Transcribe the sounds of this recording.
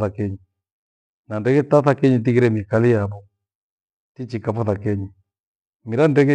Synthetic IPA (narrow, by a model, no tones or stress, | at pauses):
θakɛɲi | nandɛkɛtaθakɛɲit̬iɣiɾɛmikalijaβɔ | tit͡ʃikafɔθakɛɲi | miɾandɛkɛ